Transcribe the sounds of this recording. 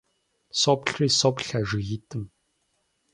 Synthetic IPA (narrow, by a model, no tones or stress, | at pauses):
sɔpɬriːsɔpɬaʒɪɣitʼʰɨm